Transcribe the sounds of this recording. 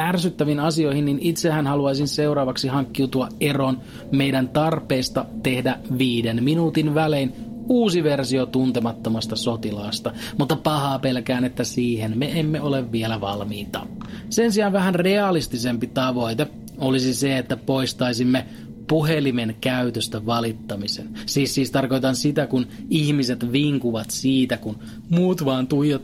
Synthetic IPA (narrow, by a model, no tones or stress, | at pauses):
ærsyt̪ːæʋinɑsio̞ihinːinit̪sehænhɑluɑjsinseuɾɑːʋɑksihɑŋkːiut̪uɑʔeron | me̞jdænt̪ɑrpeːst̪ɑt̪e̞hdæʋiːdenminuːt̪inʋæleinuːsiʋersiot̪unt̪emɑt̪ːomɑst̪ɑsot̪ilɑːst̪ɑmut̪ːɑpɑhɑːpelkæːnet̪ːæsiːhenmeemːeoleʋʋielæʋɑ̰lmiːt̪ɑ̰sensiɑnʋæɦænre̞ɑlist̪isempit̪ɑʋo̞it̪e | olisiseet̪ːæpoist̪ɑisimːe | puɦelimenkæyt̪øst̪æʋɑlit̪ːɑmisensiːssiːst̪ɑrko̞jt̪ɑnsit̪ækun | ihmise̞t̪ʋiŋkuʋɑt̪siːt̪ækun | muːt̪ʋɑːnt̪uijɑt̪